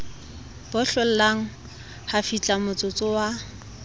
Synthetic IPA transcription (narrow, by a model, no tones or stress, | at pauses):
b̥ʊɬɔl̩laŋ̩ | hafit͡ɬʼamʊt͡sʼʊt͡sʼʊwa